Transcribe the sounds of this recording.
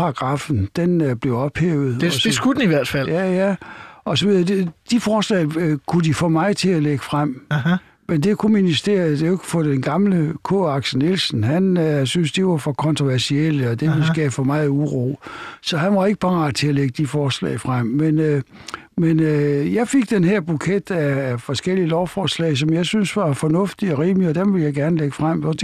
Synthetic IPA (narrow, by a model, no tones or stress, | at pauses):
pʰɑ̈ːɡ̥ʁɑ̈fn̩d̥enb̥le̝ʊɒ̽b̥heːʊð̞̩ˠɒ̥esɡ̥ud̥niʋæɐ̰d̥fæl̰jæjæɒ̽sɒʋiðˠɐd̥ed̥ifɒːslɛ̰ɪkʰudifɔːmɑ̈ɪt͡sʰe̝æleɡ̥əfʁam̰ | mend̥e̝kʰuminisd̥e̝̰ːɐd̥e̝eɡʰu̥fɒd̥enɡ̥ɑ̈mləkʰɔ̰ːɑ̈ɡ̥sənelsn̩hænsynsd̥iʋɑfɒ̽kʰɒ̽nt͡sʰʁo̝ʋæɐsiel̰əɒd̥e̝ʋelsɡ̥ɛːfəmɑ̈ːð̩ˠuʁo̰ːsɒ̽hænʋɑe̝ɡ̥əb̥ɑ̈ːt͡sʰe̝æleɡ̥əd̥ifɒːslɛ̰ɪfʁam̰men | menøjɑ̈ɪfe̝ɡ̥̚d̥enhæɐb̥ukʰed̥æfɒ̽sɡ̥el̰iəlɒʊfɒːslɛ̰ɪsɒ̽mjɑ̈ɪsynsʋɑ̈fɒ̽nɔ̽fd̥iɒ̽ʁiːmiɒ̽d̥emʋe̝ljɑ̈ɪɡ̥æɐnəleɡ̥əfʁam̰ɒ̽d̥